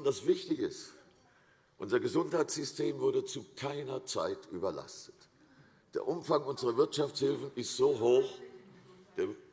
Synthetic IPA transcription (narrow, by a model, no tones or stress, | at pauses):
ndasv̥ɪçtɪçɪ̰st | ʔʊ̰nzɐɡəzʊnthaɪt͡sz̥ʏstʰeːmvʊɐdət͡sukʰaɪnɐt͡sa̰ɪtʔyːbɐla̰stə̥t | d̥ḛːɐʔʊmfaŋʔʊnzəʁɐvɪɐtʃaft͡shɪlfn̩ɪstz̥oːɦoːx | d̥eːɐ